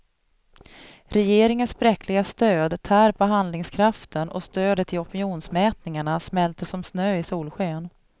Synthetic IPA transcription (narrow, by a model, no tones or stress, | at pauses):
ɾɛjeːɾɪŋənsbɾɛkʰlɪɡast̪øːd̪t̪ʰæːɾpɔɦand̪lɪŋskʰɾaft̪ʰənʔɔ̰st̪øːd̪ət̪ʰɪɔpɪnjuːnsmɛːt̪nɪŋaɳasmɛlt̪əsɔmsnøːɪsuːlɧøːn